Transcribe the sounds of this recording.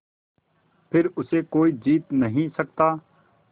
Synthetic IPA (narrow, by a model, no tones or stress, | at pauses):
pʰɪɾʊsekoːid͡ʒiːt̪nəɦĩsək̚t̪aː